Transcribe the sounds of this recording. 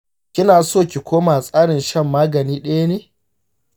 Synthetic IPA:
kʲɪ˦naː˨soː˦˨kʲi˨kʷʰoː˦maː˨sʼaː˦ɽɪ˨nʃɐ˦˨mːaː˦ɡɐ˨niː˦ɗɐ˦ja˦neː˨˦

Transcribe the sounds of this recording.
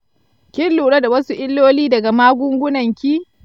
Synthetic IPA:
kʲɪ˦lːuː˨ɽɐ˦da˨wɐ˦su˦ʔɪ˦lːoː˦liː˦dɐ˨ɡa˨maː˦ɡʷʊ˦ŋɡʷʊ˦nɐ˨ŋkʲiː˦

